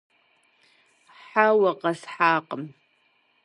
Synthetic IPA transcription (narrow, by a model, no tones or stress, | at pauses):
ħawaqʼasħaːqʼəm